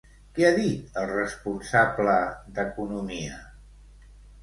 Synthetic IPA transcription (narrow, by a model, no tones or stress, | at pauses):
kɛaðit̪əlˠrəspunsabləd̪əkunumiə